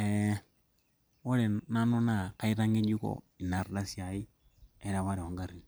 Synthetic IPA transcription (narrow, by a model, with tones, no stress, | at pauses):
ɛ | o˦ɾɛ˨na˦no˦na˦ka˨˦i˦ɾa˦ŋɡe˦d͡ʒu˦kɔ̰ | i˨na˨rɗa˦sja˨i˦ | ɛ˦ɾa˨βa˦ɾɛ˨a˨ŋɡaɾi˨